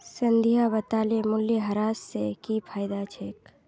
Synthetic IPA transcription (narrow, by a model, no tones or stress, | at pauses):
sɐ̃nd̪ʱijabɐt̪aːlemʊljəɦɐɾaːsːekipʰaːjd̪at͡ʃʰeːk